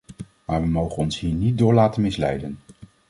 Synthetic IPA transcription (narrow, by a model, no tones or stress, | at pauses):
maːɹʋəmowχənɔnsɦiːɹnit̚dʊːɹlaːtənmɪslɛjdən